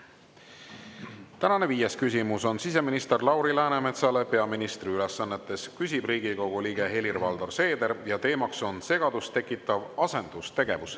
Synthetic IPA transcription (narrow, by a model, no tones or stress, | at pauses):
t̪ænɑne̞viːje̞skysʲimuso̞nsise̞minist̪erlɑwɾilæːnemet̪sɑle̞pe̞ɑminist̪riylesːɑnːe̞t̪ːˑe̞skys̬ʲibriːɡ̥iko̞ɡ̥uliːɡe̞ɦe̞lirvɑld̪orse̞ːd̪e̞ɾjɑt̪e̞ːmɑkso̞nse̞ɡ̥ɑd̪̥ust̪e̞kːˑit̪ːˑɑvɑse̞nd̪̥ust̪e̞ɡ̥e̞vus